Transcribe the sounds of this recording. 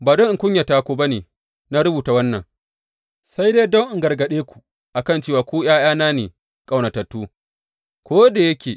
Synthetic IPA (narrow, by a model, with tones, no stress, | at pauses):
baː˨dɔ˦ŋʔkʷʊ˦ɲja˨taː˦kʷoː˦ba˦neː˨ | na˦ɾʊ˦buː˨ta˦wɐ˦nːɐ̰˨ŋ | sa˦jdeː˦dɔ˦ŋʔɪ˨ŋɡɐ˨rɡɐ˨ɗeː˦kʷu̥˨ | ʔa˨kɐ˦˨nt͡ʃeː˦waː˨kʷoː˦j̰aː˦j̰aː˦naː˦nḛː˨ | kʼa˦˨wna˨tɐ˨tːuː˦ | kʷoː˦da˨jɐ˦kʲeː˨